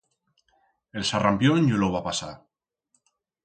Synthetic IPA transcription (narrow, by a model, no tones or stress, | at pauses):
elsarampjonjoloβapasa̰